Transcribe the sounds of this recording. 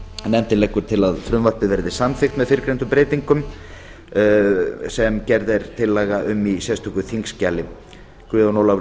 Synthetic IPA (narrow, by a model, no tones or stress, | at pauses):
nɛmt̪ɪnejkʏɾ̥t̪ʰɪlaðfɾʏmvar̥pɪðvɛɾðɪsamθɪxt̪mɛðfɪɾkɾejnt̪ʏmpɾeːjt̪iŋkʏm | sɛmcɛɾðɛɾ̥t̪ʰɪlːɛːɣaʔʏmːisjɛst̪ʰukʏθiŋkscaːlɪ | kʰɾɪːðawnowla